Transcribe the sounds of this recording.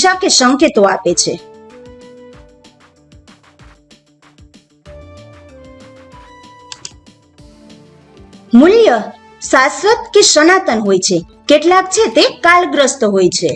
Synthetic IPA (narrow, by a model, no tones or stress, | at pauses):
ʃakesəŋket̪oapet͡ʃʰḛ | muljə | sasɾət̪kesənat̪ənɦojt͡ʃʰe | keʈlakt͡ʃʰet̪ekalɡɾəst̪ɦojt͡ʃʰe